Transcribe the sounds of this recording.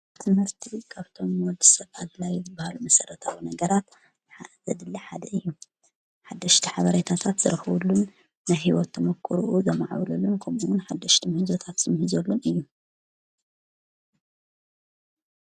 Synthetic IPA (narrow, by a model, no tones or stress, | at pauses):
t̪ʰɨmhɨɾt̪ʰikʰaβt̪ʰo̞mːwɔd̪ɨsɐβalɐlajzɨbːahalumɐsɐɾɐt̪ʰa̰winɐɡɐɾat̪ | zħaʔzɐd̪ɨlːɐħad̪ɐɨjːu | ħad̪ːɐʃt̪ʰiħaβɐɾet̪ʰat̪ʰat̪z̥ɨɾɨxβulːunː | ajɦiwɔt̪ʰːɐmɐkʰːɨɾuʔuzɐmaʕa̰wlɐlunkʰɐmuwʊnħad̪ːɐʃt̪ʰimhɨzo̞t̪ʰat̪z̥ɨmhɨzɐlːunɨjːu